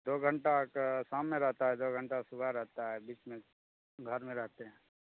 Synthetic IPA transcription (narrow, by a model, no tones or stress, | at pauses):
d̪oːɡʱə̃ɳʈaksaːmːẽɾɛɦt̪aɦɛd̪oːɡʱə̃ɳʈasʊbʱaɾɛɦt̪aɦɛbiːt͡ʃmẽ | ɡʱəɾmẽɾɛɦt̪eɦɛ̃ː